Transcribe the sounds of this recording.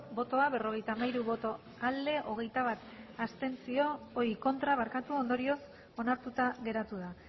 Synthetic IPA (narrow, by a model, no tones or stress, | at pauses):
bo̞t̪o̞aβe̞ro̞ɣ̞e̞jt̪amajɾuβo̞t̪o̞ | ald̪e̞ʔo̞ɣ̞e̞jt̪aβ̞at̪ast̪e̞nsio̞ːiko̞nt̪ɾaβ̞aɾkat̪uo̞nd̪o̞ɾio̞s | o̞naɾt̪ut̪aɣe̞ɾat̪uða